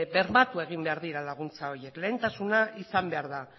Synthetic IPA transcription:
be̞ɾmat̪ue̞ɣ̞imbe̞aɾðiɾalaɣunt͡sao̞ɾje̞kle̞ːnt̪asunaʔisambe̞aɾða

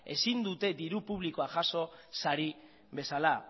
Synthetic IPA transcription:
e̞̰sind̪ut̪e̞d̪iɾupuβ̞liko̞aʝaso̞saɾi | βe̞sala

